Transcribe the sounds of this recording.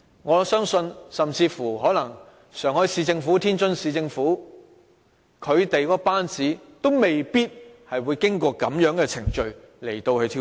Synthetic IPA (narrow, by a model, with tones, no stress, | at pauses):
ŋɔː˨˧sœː˥ŋsɵ˧nsɐ˨mt͡siː˧fuː˨˩ɦɔː˨˥lɐ˨˩ŋ | sœː˨˩ŋhɔː˨˥jsiː˧t͡sɪ˧ŋfuː˨˥t̪ʰiː˥nt͡ʃɵ˥nsiː˧t͡sɪ˧ŋfuː˨˥ | kʰɵ˨˧ɥt̪e˨jkɔː˨˥paː˥nt͡siː˨˥t̪o˥wme˨jpiː˥t̚hɐ˨jwuː˨˧jkɪ˥ŋkɔː˧kɐ˨˥mjœː˨˥ŋkɛː˧t͡sʰɪ˨˩ŋt͡ʃɵ˧ɥ | le˨˩jt̪o˧whɵ˧t̪ʰi˧